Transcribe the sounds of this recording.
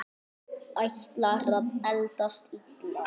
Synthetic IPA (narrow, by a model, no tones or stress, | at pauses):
ajçt̪laɾðaðɛlt̪ast̪it̪